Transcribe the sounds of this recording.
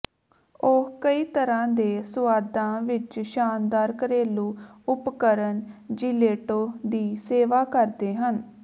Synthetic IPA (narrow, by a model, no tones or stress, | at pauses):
okəiːt̪əɾãːd̪eːsʊaːd̪ãːʋɪt͡ʃʃaːnd̪aːɾkəɾeːluːʊpkəɾənd͡ʒileːʈoːd̪iːseːʋaːkəɾd̪eːɦən